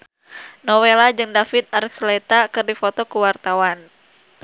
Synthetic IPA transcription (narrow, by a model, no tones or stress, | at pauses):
nɔwelad͡ʒɨŋdafit̪̚arklɛt̪akɨrdifɔt̪ɔkuwart̪awan